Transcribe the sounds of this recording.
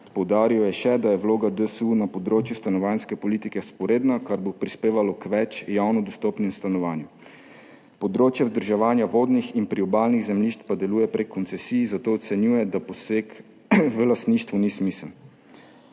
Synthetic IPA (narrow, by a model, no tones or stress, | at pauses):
pɔwd̪aːɾijɔjɛʃɛd̪ajɛʋloːɡad̪əsunapɔd̪ɾoːt͡ʃjust̪anɔʋaːnskɛpɔliːt̪ikɛspɔɾeːd̪nakaɾbopɾispeːʋalɔkʋɛt͡ʃjawnɔd̪ɔst̪ɔpnɛmst̪anɔʋaːnju | pɔd̪ɾoːt͡ʃjazd̪əɾʒaʋaːnjaʋoːd̪nixinpɾiɔbaːlniɣzɛmliʃt̪pad̪ɛluːjɛpɾekʰːɔnt̪sɛsijzat̪oːt̪sɛnjuːjɛd̪apɔseːk | ʋəlast̪niːʃt̪ʋunismisəln